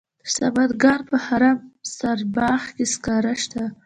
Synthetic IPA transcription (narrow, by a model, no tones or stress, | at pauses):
əsabad̪ɡɑnpəhaɾamsaɾbɑxkeskɑɾaʃt̪a